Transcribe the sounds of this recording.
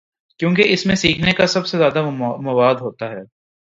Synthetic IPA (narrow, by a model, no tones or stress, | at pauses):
kjõːkeɪsmẽsiːkʰnekasɐbsezjaːd̪amɐʋaːd̪ɦoːt̪aɦɛː